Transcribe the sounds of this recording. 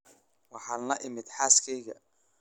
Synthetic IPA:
wɑħɑːlɐʔɪmɪd̪ħɑːskʰɛjɣɐ

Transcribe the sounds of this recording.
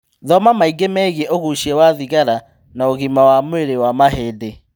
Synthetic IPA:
ðɔmamaiɡemɛɣiɛʔoɣuʃiɛwaðiɣaɾa | naoɣimawamweɾewamaɦeːde

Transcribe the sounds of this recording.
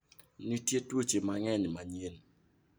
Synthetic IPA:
nitjetwot͡ʃemaŋɛɲmaɲen

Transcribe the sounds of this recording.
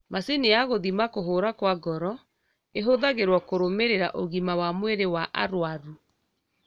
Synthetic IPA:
maseneaɣoðimakoɦoːɾakwaɡɔɾɔ | eɦoðaɣeɾwɔkoɾomeɾeɾaʔoɣimawamweɾewaʔa̰ɾwaɾu

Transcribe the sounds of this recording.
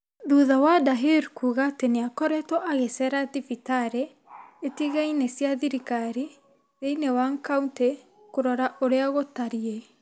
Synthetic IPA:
ðuðawadaɦeɾkuɣateneakɔɾɛtɔʔaɣesɛɾatifitaɾe | etiɣainesjaðiɾikaɾi | ðeinewaŋkaunte | koɾɔɾaʔoɾeaɣotaɾie

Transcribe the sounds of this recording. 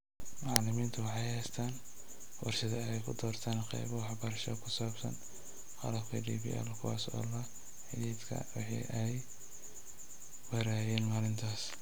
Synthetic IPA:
mɑʕlɪmiːnt̪ʰʊwɑħɑjhɛjst̪ʰaːn | wɑ̰rʃɪðɐɛjkʰʊd̪ɔːrt̪ʰaːnqɛ̰jβɔwɑħbɐɾɐʃɐkʰʊsaːbsɐ̰n | qɑ̰lɐbkʰɐdiːbḭːʔɛ̰lkʰʊwa̰ːsɔ̰ːlɐ | ħɪðiːd̪kʰɐ̰wɑħɑ̰ʔɛj | wɐɾaːjɛːnmaːlɪnt̪ʰaːs

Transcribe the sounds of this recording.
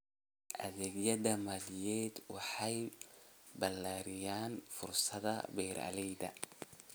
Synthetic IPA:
ʔɐ̰ðɛːɡjɐðɐmaːlɪjɛːd̪wɑħɑj | bɐlːaːɾɪjaːnfʊrsɐðɐ̰bɛːɾɐ̰lɛjd̪ɐ̰

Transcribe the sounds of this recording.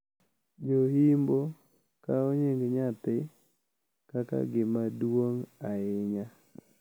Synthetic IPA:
d͡ʒohimbo | kaɔɲɪŋɡɲat̪ɪ | kaka̰ɡɪmadwoŋaɪɲa

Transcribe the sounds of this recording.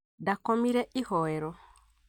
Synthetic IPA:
dakɔmiɾɛʔihɔɛɾɔ

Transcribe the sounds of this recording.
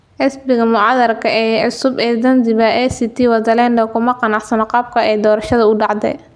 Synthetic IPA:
ʔɪsbɪɣɐmʊʕɑːðɐrkʰɐɛːʕʊsʊbɛːd̪ɐnd̪ɪβɐʔɛsit̪ʰiːwɐd̪ɐlɛːndɐkʰʊmɐqɑnɑʕsɐnqɑːb̚kʰɐɛjd̪ɔːɾɐʃɐðɐʊɖɑʕd̪ɛ̰

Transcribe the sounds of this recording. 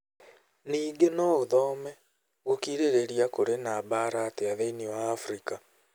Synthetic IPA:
niːɡenɔoðɔːmɛ | ɣokiɾeɾeɾiakoɾenaːβaɾaːteaðeiniwaːfɾika

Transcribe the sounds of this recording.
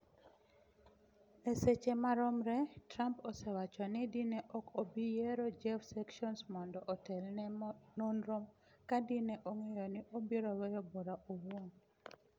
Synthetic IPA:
eset͡ʃemaɾɔmɾɛtɾampɔsɛwat͡ʃɔnɪdineʔɔkobijeɾod͡ʒɛfsɛkʃɔnsmɔndɔʔɔtɛlnɛnonɾom | kadineʔoŋɛjɔnɪʔobiɾɔwɛjɔboɾaʔowon

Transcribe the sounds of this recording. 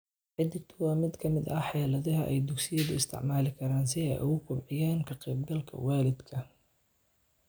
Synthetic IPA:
ʕɪd̪ɪɡt̪ʰʊwɑːmɪd̪kʰɐmɪd̪ɐħjɛːlɐðɐɦɐʔɛjd̪ʊɡsɪjɐðʊɪst̪ʰɪ̰ʕmaːlɪkʰɐɾaːns̬ɪɛ̰ʔɐ̰wʊkʰʊbʕɪjaːnkʰɐqɛːbɡɐlkʰɐ̰waːlɪd̪kʰɐ

